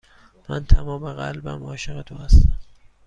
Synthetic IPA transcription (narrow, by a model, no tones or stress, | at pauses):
mænt̪ʰæmɒːmeɣælbæ̰mɒːʃeɣet̪ʰoːhæst̪æm